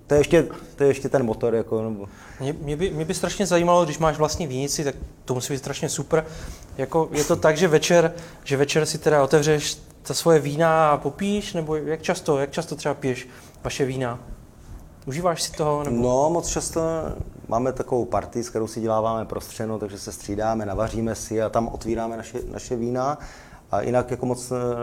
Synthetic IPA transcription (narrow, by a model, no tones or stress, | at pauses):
t̪ojɛɛʃcɛt̪ojɛɛʃcɛt̪ɛnmot̪oɾjakonɛbo | mɲɛmɲɛbɪmɲɛbɪst̪ɾaʃɲɛzajiːmaloɡdɪʃmaːʃvlast̪ɲiːviːɲɪt͡sɪt̪ak̚t̪omusiːbiːt̪st̪ɾaʃɲɛsupɾjako̞jɛt̪o̞t̪aɡʒɛvɛt͡ʃɛɾ | ʒɛvɛt͡ʃɛɾsɪt̪ɛdao̞t̪ɛvrɛʃ | t̪asvo̞jɛviːnapopiːʃnɛbo̞jak̚t͡ʃast̪o̞jak̚t͡ʃast̪or̥ɛbapɪjɛʃ | vaʃɛviːna | ʔuʒiːvaːʃsɪ̥t̪oɦo̞nɛnomot͡st͡ʃast̪omʔa̰ːmɛt̪akovowpaɾt̪ɪsk̚t̪ɛɾowsɪɟɛlaːvaːmɛpɾʔost̪r̝̥ɛdnot̪aɡʒɛsɛst̪r̝̥iːdaːmɛnavar̝iːmɛsɪat̪amʔo̰t̪viːɾaːmɛnaʃɛna̰ʃɛviːna | ʔa̰jʔɪ̰nakjakomot͡s